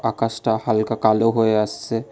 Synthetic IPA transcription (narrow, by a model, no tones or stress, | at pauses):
akasʈahalkakaloɦoeasse